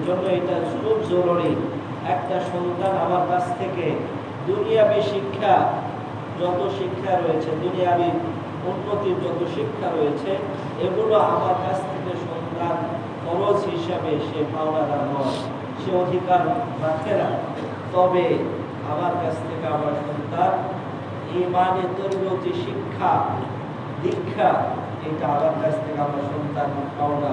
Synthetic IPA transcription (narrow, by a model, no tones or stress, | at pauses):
d͡ʑonːoeʈad͡ʑuɾubd͡ʑoloɽi | ɛk̚ʈaʃont̪anamaɾkat͡ɕʰt̪ʰeke | d̪unijabiʃikʰːa | d͡ʑɔt̪oʃikʰːaɾoet͡ɕʰed̪unijabiɾ | unːot̪iɾd͡ʑɔt̪oʃikʰːaɾojet͡ɕʰe | eɡuloamaɾkat͡ɕʰt̪ʰekeʃond̪an | kɔɾod͡ʑɦiʃabeʃebʱabnad̪aɾɦɔ | ʃeod̪ʱikaɾɾakʰena | t̪ɔbe | amaɾkat͡ɕʰt̪ʰekeamaɾʃont̪aɾ | emanet̪oɾinot̪iʃikʰːa | d̪ikʰːa | ejʈaamaɾkat͡ɕʰt̪ʰekeamaɾʃont̪aɾpaona